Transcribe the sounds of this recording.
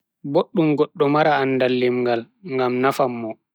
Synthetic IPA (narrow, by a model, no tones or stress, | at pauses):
boɗːumɡɔɗːɔmaɾaːnːdalːimŋɡal | ŋɡamnafamːɔ